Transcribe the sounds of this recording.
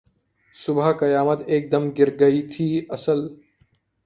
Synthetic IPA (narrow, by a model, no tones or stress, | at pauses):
sʊbʱakɐjaːmət̪eːk̚d̪ɐmɡɪɾɡɐit̪ʰiːɐsəl